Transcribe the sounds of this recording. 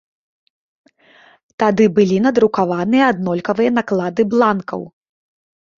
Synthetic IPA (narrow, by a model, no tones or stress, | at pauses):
t̪ad̪ɨbɨlʲinɐd̪ɾukavanɨjɐːd̪nɔlʲkɐvɨjɐnaklˠad̪ɨblˠankɐ̰w